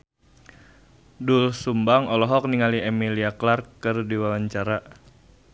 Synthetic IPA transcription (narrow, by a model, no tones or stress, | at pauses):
dulsumbaŋɔlɔɦɔk̚niŋaliɛmiliaklarkːɨrdiwawaɲt͡ʃaɾa